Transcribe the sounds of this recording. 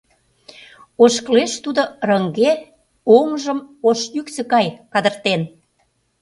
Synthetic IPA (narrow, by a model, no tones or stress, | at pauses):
oʃkleʃt̪ud̪orəŋɡe | oŋʒəmoʃjyksə̆kɑjkɑd̪ə̆rt̪en